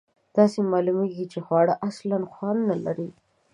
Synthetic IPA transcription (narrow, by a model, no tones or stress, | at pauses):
d̪̥ɑsemɑlumeɡit͡ʃexwɑɽaʔaslanxwɑnnalaɾi